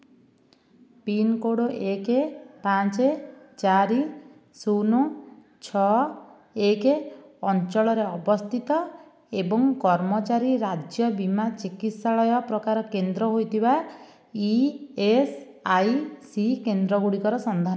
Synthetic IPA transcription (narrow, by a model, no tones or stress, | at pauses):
pinkoɽoʔekepãt͡ʃet͡ʃaɾi | sunu | t͡ʃʰɔ | ekeɔnt͡ʃɔɭɔɾeɔbɔst̪ʰit̪ɔ | ebɔŋkɔɾmɔt͡ʃaɾiɾad͡ʒjɔbimat͡ʃikit̪saɭɔjɔpɾɔkaɾɔkend̪ɾɔɦojt̪ʰiba | ies | ajsikend̪ɾɔɡuɽikɔɾɔsɔnd̪ʱan